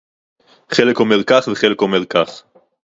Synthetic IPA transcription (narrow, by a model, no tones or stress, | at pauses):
χelekomeʁkaχveχelekomeʁkaχ